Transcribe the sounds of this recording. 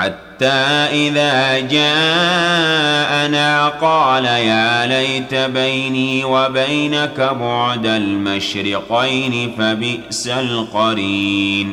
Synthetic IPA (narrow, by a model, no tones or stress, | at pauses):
ħat̪ːaːʔɪðaːd͡ʒaːʔ | ʔanaːqɑːlajaːlajt̪abajniːwabajnakabʊʕd̪almaʃɾɪqajnɪfabɪʔsalqɑɾiːn